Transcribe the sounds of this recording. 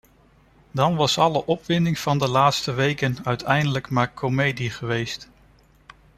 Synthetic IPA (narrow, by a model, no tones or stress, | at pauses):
dɑnʋɑsɑləʔɔpʋɪndɪŋv̥ɑndəlaːtstəʋejkənœɥtʰɛjndələkmaːɹkʰomejdiχəʋejst